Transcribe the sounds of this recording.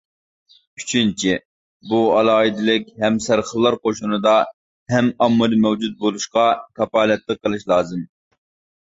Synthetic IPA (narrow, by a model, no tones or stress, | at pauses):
y̥t͡ʃʰynt͡ʃʰi | buɑlˠɑːɦid̪ɪlɪkʲhɛmsæɾχəlˠːɑɾqoʃunɨd̪ɑ | hɛmɑmːɨɾmɛwd͡ʒud̪̚bolˠuʃqɑkʰɑpɑːlɛt̪lˠəqːəlˠɨʃlˠɑːzɨm